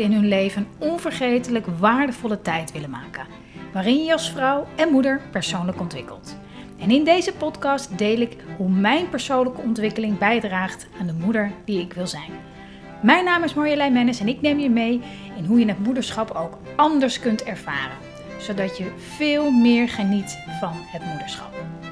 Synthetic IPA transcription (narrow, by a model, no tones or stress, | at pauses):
ɪnɦɵnlejvənɔnvəɹχejtələkʋaːɹdəv̥ɔlətɛjtʋɪlənma̰ːkən | ʋaːrɪnjəɑlˠsfrɑwɛnmudəɹpɛɹsownləkɔntʋɪkə̰lˠt | ɛnɪndejzəpɔtkɑstdejlɪkɦumɛjnpəɹsownləkəɔntʋɪkəlɪŋbɛjdraːχtaːndəmudəɹdiɪkʋɪlˠzɛjn | mɛjnaːmɪsmɔɹjəlɛjmɛnəsɛnɪknejmjəmej | ɪnɦujənətmudəɹsχɑpowk | ɑndəɹskɵntɛɹv̥a̰ːrə̰n | z̥owdɑtjə | v̥ɪːlˠmɪːɹχənitfɑnɦətmudəɹsχɑ̰p̚